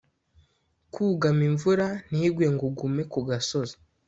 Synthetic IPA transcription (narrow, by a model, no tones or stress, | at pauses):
kʰuːɡamiɱvuɾan̥iːɡweŋɡuɡume̞kuɡaso̞za